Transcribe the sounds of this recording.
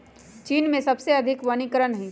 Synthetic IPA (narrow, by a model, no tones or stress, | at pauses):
t͡ʃiːnmẽsɐbseɐd̪ʱɪkʋɐnɪkɾənɦĩ